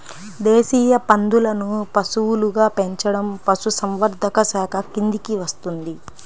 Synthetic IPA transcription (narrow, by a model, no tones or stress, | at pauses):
d̪eːsiːjɐpɐnd̪ulɐnupɐsuwuluɡaːpe̞ɲt͡ʃɐɽɐmpɐsusɐmʋɐɾd̪ʱɐkɐsaːkʰɐkind̪ikiʋɐst̪und̪i